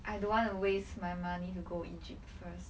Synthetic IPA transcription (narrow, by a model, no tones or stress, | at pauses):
ʔaɪdõnwɔ̃ntuwestmajmanituɡoḭd͡ʒip̚tfəs